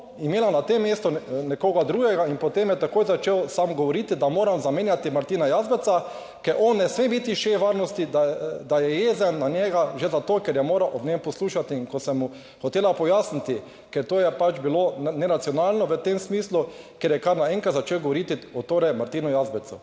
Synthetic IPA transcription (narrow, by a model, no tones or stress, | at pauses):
imeːlanat̪emːjeːst̪ɔnɛkoːɡad̪ɾuːɡɛɡainpɔt̪emjɛt̪akoːjzat͡ʃeːwsamɡɔʋɔɾit̪id̪amoːɾamzameːnjat̪imaɾt̪iːnajaːzbɛt̪sa | kɛɾʔɔnːɛsmebiːt̪iʃeʋaɾnɔst̪id̪ad̪ajɛjeːzɛnːaɲɛɡaʒezat̪oːkɛɾjɛmoːɾawʔɔbnempɔsluːʃat̪iːŋkɔsɛmːu | xɔt̪eːlapɔjaːsnit̪i | kɛɾt̪oːjɛpat͡ʃbilonɛɾat̪sjɔnaːlnɔʋət̪emsmiːslu | kɛɾjɛkaɾnaɛ̃ŋkat̪zat͡ʃeːwɡoʋɔɾit̪iɔt̪oːɾɛmaɾt̪iːnʊjazbɛt̪su